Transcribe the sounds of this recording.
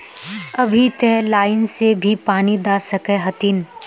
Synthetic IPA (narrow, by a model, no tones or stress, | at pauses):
ɐbʱit̪elaːɪnsebʱipaːnid̪aːsɐkeɦɐt̪in